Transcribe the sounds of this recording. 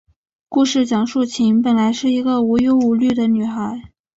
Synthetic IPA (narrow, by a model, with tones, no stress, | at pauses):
ku˥˧ʂɻ̩˥˩t͡ɕjɑ˨˩ŋʂu˥˩t͡ɕʰi˧˥npə˨˩nla˧˥ɪʂɻ̩˥˩i˧˥ɡə˧u˧˥jo˧˥ʊu˨˩ly˥˩d̪ə˩ny˨˩xa˧˥ɪ